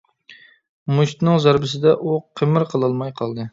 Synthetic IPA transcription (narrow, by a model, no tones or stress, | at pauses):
muʃt̪nɪŋzæɾbɪsɪd̪ɛʔuqʰemɪɾqʰəlˠɨlˠmɑjqʰɑlˠd̪ɨ